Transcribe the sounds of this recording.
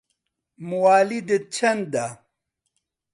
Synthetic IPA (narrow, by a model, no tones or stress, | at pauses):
muwaːlid̪ət͡ʃʰɐnd̪a